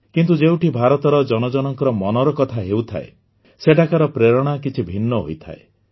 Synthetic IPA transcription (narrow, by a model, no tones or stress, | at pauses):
kint̪ud͡ʒewʈibʱaɾɔt̪ɔɾɔd͡ʒɔnɔd͡ʒɔnɔŋkɔɾɔmɔnɔɾɔkɔt̪ʰaɦewt̪ʰa̰e | seʈakaɾɔpɾeɾɔɽ̃akit͡ʃʰibʱinːɔɦo̰jt̪ʰa̰e